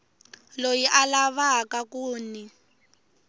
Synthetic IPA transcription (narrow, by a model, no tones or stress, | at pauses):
lojiʔalaβakakuːni